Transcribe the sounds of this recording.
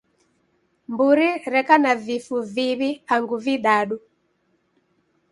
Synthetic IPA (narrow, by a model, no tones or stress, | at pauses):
mbuɾiɾɛkanavifuviβiaŋɡuviɗaɗu